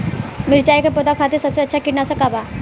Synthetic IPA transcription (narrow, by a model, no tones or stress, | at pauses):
miɾt͡ɕajkəpot̪akʰat̪iɾsəbseətːɕʰakiʈnasəkaba